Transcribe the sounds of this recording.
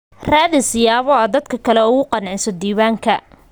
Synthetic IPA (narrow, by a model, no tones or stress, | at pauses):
raːðɪsɪjaːβɔad̪ɐd̪kʰɐkʰɐlɛʊɣʊqɑnʕɪsɔd̪iːβaːŋkʰɐ